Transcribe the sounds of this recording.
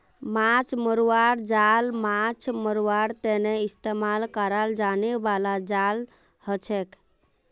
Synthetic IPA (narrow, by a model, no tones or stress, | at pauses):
mat͡ʃʰməɾuaɾd͡ʒalmat͡ʃʰməɾuaɾt̪eneist̪emalkəɾald͡ʒanebalad͡ʒal | hət͡ʃʰɛk